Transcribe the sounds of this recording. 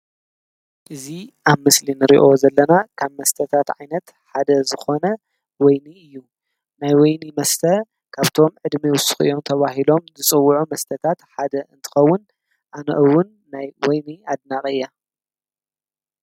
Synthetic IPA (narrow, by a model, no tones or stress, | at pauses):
ʔɨziʔaβmɨslinɨɾḭʔo̞zɐlːɐnakʰaβmɐst̪ʰɐt̪ʰat̪ʕajnɐt̪ | ħad̪ɐzɨxo̞nɐ | wɔjniɨjːu | najwɔjnimɐst̪ʰɐ | kʰaβt̪ʰo̞mʕɨd̪miwʊsɨ̥xɨ̰jːo̞mt̪ʰɐβaɦilo̞mzɨt͡sʼɨwːʕumɐst̪ʰɐt̪ʰat̪ħad̪ɐɨnt̪ʰɨ̥xɐwːʊn | ʔanɐ̰ʔɨwːʊnːajwɔjniad̪nakʼɨjːa